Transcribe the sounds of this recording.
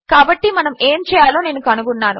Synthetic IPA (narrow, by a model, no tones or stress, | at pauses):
kaːbɐʈːimɐnɐme̞ːmt͡ʃɛːjaːloːne̞ːnːukɐnuɡunːaːnṵ